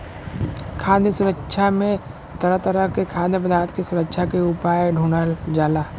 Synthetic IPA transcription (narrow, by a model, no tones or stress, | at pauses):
kʰaːnd̪isʊɾəkʃʰamẽ | t̪ɐɾət̪əɾəkekʰaːd̪əpəd̪ʱaːɾət̪kisʊɾəkʃʰakeupaːjɖʱuːɳad͡ʒaːlaː